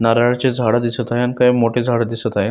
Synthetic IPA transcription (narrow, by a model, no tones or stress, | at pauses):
naɾaɭt͡ɕed͡zʱaɽad̪isət̪aɦeankajmoʈed͡zʱaɽad̪isət̪aɦj